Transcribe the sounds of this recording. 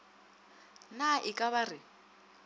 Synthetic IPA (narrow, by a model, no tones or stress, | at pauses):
naʔɪkʼaβarɪ